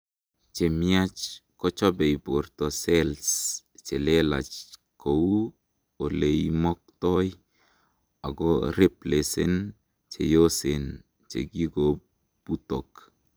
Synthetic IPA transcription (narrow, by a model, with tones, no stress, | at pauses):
t͡ʃe˨mia˦t͡ʃkɔ˦t͡ʃɔ˦be˨jbo˨rt̪ɔ˨sɛ˦ls | t͡ʃe˨le˦la̰˨t͡ʃko˨wu˦ | o˨le˨jmɔ˦k̚t̪ɔ˦j | a˨ɡɔ˦ɾe˦ple˨sḛ˦n | t͡ʃḛ˨jo˦se˨n | t͡ʃḛ˨ɡi˦ɡo | b̥u˦to˨k